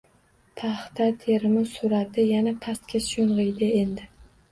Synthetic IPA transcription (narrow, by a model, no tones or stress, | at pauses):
t̪ʰaχt̪ʰat̪ʰeɾmɪsʊɾat̪ʰɪjanapʰast̪̚kʲasjonʁɨjd̪ɪend̪ɪ